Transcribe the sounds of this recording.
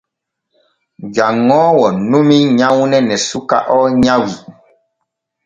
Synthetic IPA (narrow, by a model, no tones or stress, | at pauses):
d͡ʒaŋːɔːwɔnumiɲawnɛnɛsuka̰ʔɔɲãwi